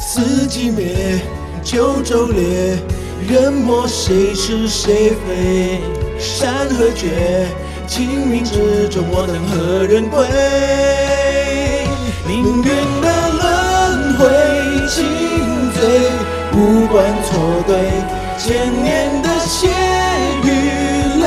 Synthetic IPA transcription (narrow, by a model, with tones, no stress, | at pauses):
sɹ̩˧˥t͡ɕi˧˥mjɛ˧˥ | t͡ɕjo˧˥ʊʈ͡ʂo˥ʊljɛ˧˥˦ | ɻə˧˥npɔ˧˥ʂe˧˥ɪʂ̩˧ʂe˧˥ɪfe˧˥ɪɪ | ʂa˥nxə˧˥t͡ɕɥɛ˧˥ | t͡ɕʰi˧˥ŋmi˧˥ʈ͡ʂ̩˧˥ʈ͡ʂʊ˨˧˩ŋd̪ə˨˧˩ŋxə˧˥ɻə˧˥npe˦˥ | li˧˥ŋɛ˥˧˩nd̪ə˧lə˦˥nxwe˧˥t͡ɕʰi˥ŋ˧fe˧˥ɪ | u˥kwa˧˥nt͡sʰɔ˧˩ke˧˥ɪ | t͡ɕjɛ˧˩nnjɛ˥˧nd̪ə˧ɕjɛ˥ny˧˥